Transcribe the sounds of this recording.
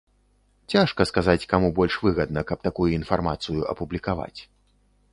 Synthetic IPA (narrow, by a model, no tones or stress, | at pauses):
t͡sʲaʂkɐskazat͡sʲkamubɔlʲʂvɨɣɐd̪nɐkɐp̚t̪akujuinfarmat̪sɨjuʔɐ̰publʲikava̰t͡sʲ